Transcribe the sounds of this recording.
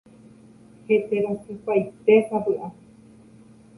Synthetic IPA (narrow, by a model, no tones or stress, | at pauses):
het̪eɾosɨpajt̪esabɨʔa